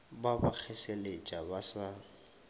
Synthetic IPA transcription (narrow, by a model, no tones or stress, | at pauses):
babak͡xʰɛselet͡ʃʼabasa